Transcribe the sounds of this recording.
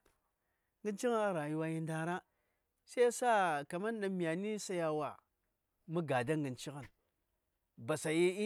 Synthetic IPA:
ŋɡi˦nt͡ʃi˦ɣna˦ɾa˨ji˨wa˦ji˦nda˨ɾa˦ | sa˦sa˦ka˨ma˦n˦ɗa˨mi˨ja˨ni˦sa˦ja˨wa˨ | mu˦ɡa˨da˦ŋɡi˨nt͡ʃi˦ɣa˨n | ba˨sa˨ji˦

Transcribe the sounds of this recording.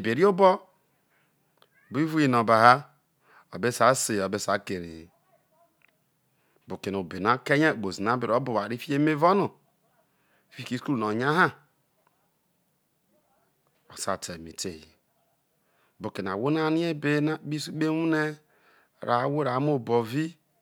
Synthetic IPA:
i˨be˨ɾi˦o˦bo˦˨ | bi˦vu˦ji˨no˨ba˨ɦa˦ | o˨be˦sa˨˦se˨o˨be˦sa˨˦ke˨ɾḭ˨ | bu˨ke˨n˨o˨be˨na˨˦ke˦ɲe˦˨k͡po˨zi˨na˨˦be˨ɾo˦bu˨a˨ɾi˦fi˦e˦me˦vo˦nu˨ | fi˦ki˨˦sku˦lno˨ɲa˦ɦa˦ | o̰˨sa˨te˨mḭ˨te˨hḭ˨ | bu˨ke˨n˨a˨wo˦n˦a˦ni˦e˦be˦na˦bi˦su˦be˦wu˦ne˦˨ | ɾa˨˦wo˦ɾa˨˦m˦o˦˨bo˨vi˦

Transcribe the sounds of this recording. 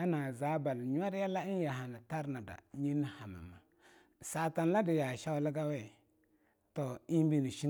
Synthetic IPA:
a˦na˨za˨˦ba˨lɲ˦a˦ɾja˦la˦i˦n˦ja˨ɦa˨na˨ta˦ɾna˨da̰˨ɲi˦n˦ha˨ma̰˨ma˨ | sa˨ta˨n˨la˦də˨ja˨ʃa˦wlə˦ɡa˦we˦˨ | to˨i˦bi˦ni˨ʃi˦

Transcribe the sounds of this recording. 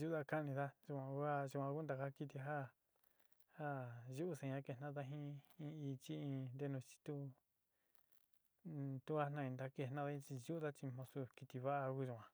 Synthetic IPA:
ʒu˦ða˧ka˦˧nĩ˧ða˦ʒu˧kʷã˧ku˦a˦˧ʒu˧˨ã˧ku˦nd̪a˧ka˦ki˧t̪i˧ɦa˦ | ha˦ʒu˦ʔu˦sẽ˧ɲã˦ke˧˨nã˦ða˦˧ɦĩ˦ĩ˧i˧t͡ʃi˦ĩ˧nd̪e˧nũ˧t͡ʃi̥˧t̪u˦ | t̪u˦ha˦nã˧ĩ˧nd̪a˧ke˧nã˦˧ða˧˦ĩ˧t͡ʃi˧ʒu˦u˦ða˦t͡ʃi˧mõ˧su˧ki˧t̪i˧βa˦ʔa˧ku˦ʒu˧˨ã˧

